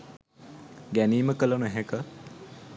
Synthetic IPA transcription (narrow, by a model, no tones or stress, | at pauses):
ɡæniːməkələnuɛɦekə